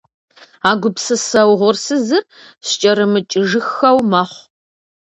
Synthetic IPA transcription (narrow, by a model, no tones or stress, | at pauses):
aːɡʷʊpsɨsɐwʁʷʊrsɨzɨr | ɕt͡ʃʼɐɾɨmɨt͡ʃʼɪʒɨxɐwmɐːχʷ